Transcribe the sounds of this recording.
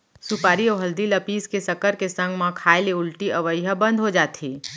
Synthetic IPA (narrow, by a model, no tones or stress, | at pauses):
supaːɾiɔːɦɐld̪ilɐpiːskesɐkəɾkesə̃ŋɡmãkʰaːeleʊlʈiɐʋəjɦəbɐ̃nd̪ʱɦod͡ʒaːt̪ʰiː